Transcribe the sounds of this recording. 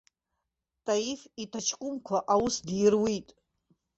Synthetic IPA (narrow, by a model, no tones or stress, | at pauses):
tʰʼaifitʰat͡ʃʰkʷʼʊmkʷʰaʔawʊsdjrwitʼ